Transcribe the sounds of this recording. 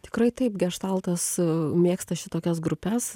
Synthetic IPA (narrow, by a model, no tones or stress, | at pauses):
t̪ʲɪ̥kɾɐɪt̪ɐpɡʲɛʃt̪ɐlˠt̪ɐsmʲeːkst̪ɐʃʲɪt̪oːkʲɛsɡɾʊpʲɛs